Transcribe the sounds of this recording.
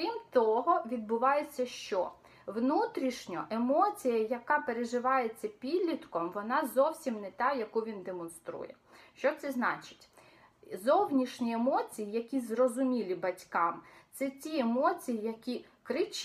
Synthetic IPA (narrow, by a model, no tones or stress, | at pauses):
kɾʲimt̪ɔɦɔʋʲid̪̚bʊʋɑjet͡sʲːɐʃt͡ʃɔ | ʋnut̪ɾʲiʃnʲɔ̰ʔemɔt͡sʲijɐjɐkɑpeɾeʒɪʋɑjet͡sʲːɐpʲid̪ʲlʲit̪kɔmʋɔnɑzɔwsʲimnɛt̪ɑjɐkuʋʲind̪emɔnst̪ɾṵjɛ | ʃt͡ʃɔt̪sɛznɑt͡ʃɪ̥tʲ | zɔwnʲiʃnʲiemɔt͡sʲijijɐkʲizrɔzʊmʲilʲibɐtʲkɑmt̪sɛtʲiemɔt͡sʲijijɐkʲi | kɾɪt͡ʃ